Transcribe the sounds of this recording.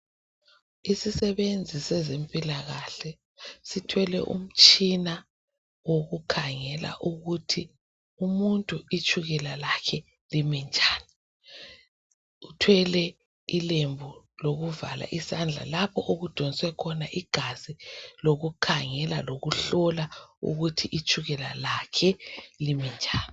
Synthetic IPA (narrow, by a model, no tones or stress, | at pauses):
isisɛβend͡zʱisɛzempʼilaɣaɬɛ | sitʰwɛlɛ̰ʔṵm̩t͡ʃʼina | woɣukʰaŋɛla̰ʔuɣutʰi | umuntʼuit͡ʃʰʼuɣɛlalakʰɛ | limɛnd͡ʒʱʼaːni | utʰwɛlɛ | ilembʱu | loɣuvala̰ʔisand͡ɮʱa̰lapʰɔʔoɣud̥ʱɔniswɛkʰɔnaʔiɡ̥ʱaziloɣukʰaŋɛla̰loɣuɬɔlaṵɣutʰiʔit͡ʃʰʼuɣɛlalakʰɛlimind͡ʒʱaːni